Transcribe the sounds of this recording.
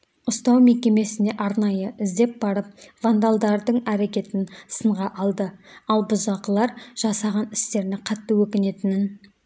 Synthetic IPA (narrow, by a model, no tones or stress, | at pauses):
ʊst̪ɑwme̞kʲe̞me̞sɪne̞ʔɑɾnɑjəʔɪzd̪e̞p̚bɑɾəp̚vand̪alˠd̪ɑɾd̪əɴæɾe̞kʲe̞t̪ɪnsəɴʁɑʔɑlˠd̪əɑlˠbʊzɑqəlˠɑɾʒ̥ɑsɑʁɑnɪst̪e̞ɾnɪqʰɑt̪ːəwɵkʲɪne̞t̪ɪnɪn